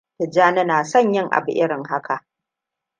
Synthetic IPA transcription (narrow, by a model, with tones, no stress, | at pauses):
tɪ˨d͡ʒaː˦nɐ˦naː˨sɔ˦˨ɲjɪ˦ŋʔa̰˨bʊ̰˨ʔɪ˦ɾɪ˨ŋha˦kʰa˨ʔ